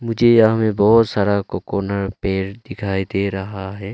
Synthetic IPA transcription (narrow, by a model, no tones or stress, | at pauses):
mʊd͡ʒʱejɦmẽbɔːt̪saːɾakokoːnəɾpeːɾd̪ɪkʰaːid̪eɾɐɦaɦɛː